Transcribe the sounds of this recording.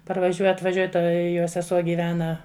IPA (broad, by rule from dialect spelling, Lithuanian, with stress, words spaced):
pɐrʋɐˈʒʲuɔ ɐtʋɐˈʒʲuɔj ˈtɐ joː sʲɛˈsuɔ ɡʲiːˈʋʲæːnɐ